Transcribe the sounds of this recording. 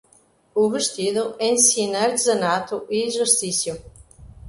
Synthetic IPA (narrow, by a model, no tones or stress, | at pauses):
uβeʃt̪iðʊensinaɾt̪zɐnat̪uʔiʒust̪isju